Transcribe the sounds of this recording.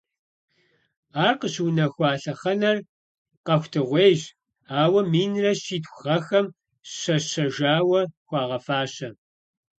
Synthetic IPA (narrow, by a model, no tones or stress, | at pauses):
aːrqəɕwnɐxʷaːɬɐχɐnɐr | qɐxʷtʰɨʁʷeːʑ | aːwɐmiːnrɐɕiːtxʷʁɐxɐm | ɕɐɕɐʒaːwɐxʷɑːʁɐfaːɕɐ